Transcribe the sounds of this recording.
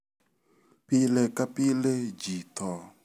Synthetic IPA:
pilekapiled͡ʒit̪ʰɔ

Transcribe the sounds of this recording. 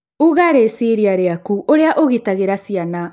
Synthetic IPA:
uɣaɾesiɾiaɾeakuʔoɾeaʔoɣitaɣeɾasiana

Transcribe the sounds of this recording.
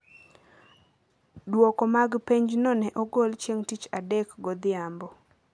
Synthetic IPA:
dwɔkɔmaɡpeɲd͡ʒnɔnɛʔɔɡolt͡ʃeŋtit͡ʃadɛkɡod̪ɪambɔ

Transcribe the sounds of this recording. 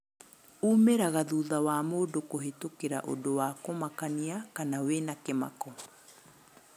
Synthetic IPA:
umeɾaɣaðuðawaːmoːdokoɦetokeɾaʔo̰dowaːkomakaniakanawenakema̰kɔ

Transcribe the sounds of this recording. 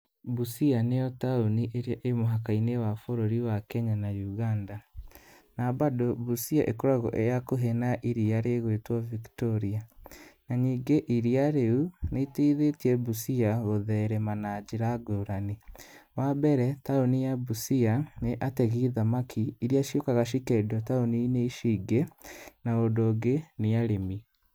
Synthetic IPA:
busianejɔtaoniʔeɾeaʔemoɦakainewafoɾoɾiwakɛɲanajuɣanda | nabadobusiaʔekoɾaɣɔ̰ʔejakoɦenaʔiɾiaɾeɣwetwɔviktɔɾianaɲiːŋɡeʔiɾiaɾeuneitiðetiɛbusiaɣoðɛɾɛmanad͡ʒeɾaɡoɾaniwabɛɾɛtaonijabusianeʔatɛɣiðamakʰiːɾiaʃjokaɣaʃ̬ikɛdɔtaonineiʃiːɡenaodoːɡeneaɾemi

